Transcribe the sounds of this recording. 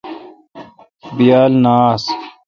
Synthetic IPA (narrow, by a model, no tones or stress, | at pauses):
bijaːlnaːs